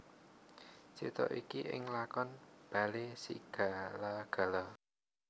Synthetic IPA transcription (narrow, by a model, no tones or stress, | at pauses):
sit̪ɔ̰ʔikiʔɪ̰ŋlakɔnb̥a̤lesḭɡ̥a̤laɡ̥a̤la